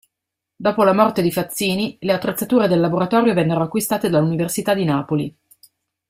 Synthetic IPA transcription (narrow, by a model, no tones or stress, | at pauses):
d̪ɔːpolamɔrt̪ed̪ifat̪sːiːnileat̪ːɾet̪sːat̪uːɾed̪elːaboɾat̪ɔːɾjovɛnːeɾoakːwist̪aːt̪ed̪alːuniversit̪ad̪inaːpoli